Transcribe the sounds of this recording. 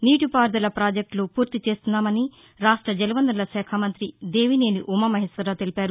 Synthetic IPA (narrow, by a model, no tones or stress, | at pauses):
niːʈupaːɾd̪ɐlɐpɾaːd͡ʒek̚ʈloːpuːɾt̪it͡ʃe̞ːst̪unːaːmɐni | ɾaːʂʈɾɐd͡ʒɐlɐʋɐnd̪ɾɐlɐsɛːkʰamɐnt̪ɾid̪e̞ːʋine̞ːniʔumɐmɐɦeːsɐɾaːt̪e̞lipaːɾu